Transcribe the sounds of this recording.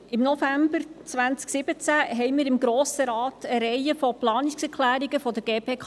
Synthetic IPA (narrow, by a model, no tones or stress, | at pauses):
ɪmnɔfæmbəɾt͡sʋænt͡sksɪb̥ət͡sæɦɛɪjmiːɾɪmɡɾoːsəɾɑːtəɾɛjəfɔplɑːniksɛkʰlæːɾiɡəfɔd̪əɡ̥eːpʰeːkʰ